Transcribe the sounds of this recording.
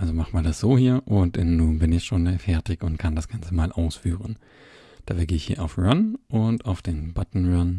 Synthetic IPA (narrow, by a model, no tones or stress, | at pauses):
ʔalzomaχn̩maːɐdasz̥oːhiːɐʔʊntnːuːnbɪnɪçʃoːnɛfɛɐtɪçʊntkʰandasɡ̥ant͡səmaːlʔaʊsfyːʁ̞ən | d̥aːfɛɐɡeːɪçhiːɐʔaʊfʁanʔʊntaʊfd̥eːnbatn̩ʁan